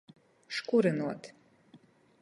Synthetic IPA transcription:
ʂkʷʼuɾɨnwa̰tʰ

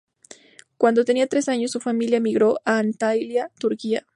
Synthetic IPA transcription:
kwand̪ot̪e̞niat̪ɾe̞saɲosːufamiljamiɣɾoʔant̪ajljat̪uɾkia̰

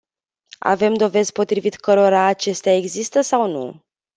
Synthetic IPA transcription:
a̰ve̞md̪o̞ve̞zpo̞t̪ɾivit̪kəɾo̞ɾaːt͡ʃe̞st̪eae̞ɡzist̪əsawnṵ

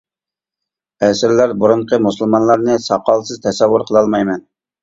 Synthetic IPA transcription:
ɛsɪɾlæɾbuɾuɴqʰəmusɨlˠmɑnlˠɑɾnɨsɑqɑlˠsɨzt̪ʰɛsɛwːʊɾqʰəlˠɑlˠmɑjmɛn

